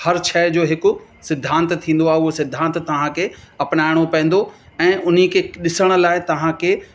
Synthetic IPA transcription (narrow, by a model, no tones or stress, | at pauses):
hɐɾt͡ɕʰɛːd͡ʑoːɦɪkʊ̆sɪd̪ʱːãːnt̪t̪ʰːĩːn̆d̪oaːɦeʊɦosɪd̪ʱːãːnt̪t̪ɐʋ̤ãkʰeɐpnaːɪɽ̃opɐ̃nd̪oɛ̃ːʔʊn̤ikʰeɗɪsəɽ̃ʊ̆laːɪt̪ɐʋ̤ãkʰeː